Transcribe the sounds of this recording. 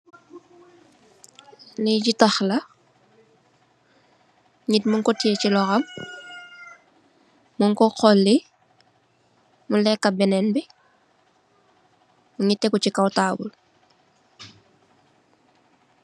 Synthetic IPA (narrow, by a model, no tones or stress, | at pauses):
liɟitɐxlɐ | ɲitmuŋkɔtiecilɔxɐm | uŋkɔqɔlːi | mulɛkːɐbɛnɛnbi | muɲitːɛkucikawtaːbṵl